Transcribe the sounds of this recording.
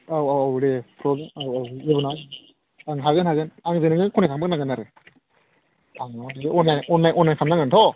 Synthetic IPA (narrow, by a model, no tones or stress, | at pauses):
awawawɾepʰɾɔbmawawibɯna | aŋɦaɣɯnhaɡɯnaŋzɯnɯŋɯkʰɔnekʰaŋbɯknaɡɯnaɾɯ | aŋdiɯɔnajɔnːajʔɔnːajkʰamnaŋɯntʰɔ